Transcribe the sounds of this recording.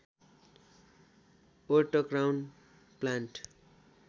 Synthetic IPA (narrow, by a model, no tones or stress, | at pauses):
oʈʌkrawn | planʈ